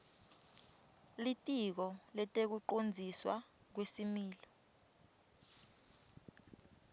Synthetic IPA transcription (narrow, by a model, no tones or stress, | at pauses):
litʼik̬ɔlɛtʼek̬uǃond͡zʱiswa | k̬wesimiːlɔ